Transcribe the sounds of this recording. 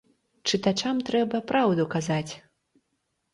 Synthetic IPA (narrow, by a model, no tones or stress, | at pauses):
t͡ʂɨt̪at͡ʂamt̪ɾɛbɐpɾawd̪ukazat͡sʲ